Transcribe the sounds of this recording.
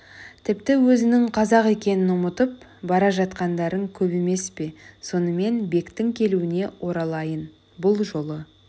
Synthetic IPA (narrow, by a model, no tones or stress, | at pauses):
t̪ʰɪp̚t̪ɪwɵzɪnɪŋqʰɑzɑqe̞kʲe̞nɪnʊmət̪əp̚ | bɑɾɑʒɑt̪qɑnd̪ɑɾəŋkʲʰɵpe̞me̞spe̞so̞nəme̞nbe̞kt̪ɪŋkʲʰe̞luɪne̞wʔo̞ɾɑlˠɑjən | bʊlˠʒo̞lˠə